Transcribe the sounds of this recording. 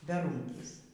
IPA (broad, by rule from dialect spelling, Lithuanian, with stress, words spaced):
bʲɛˈruːŋʲkʲiːs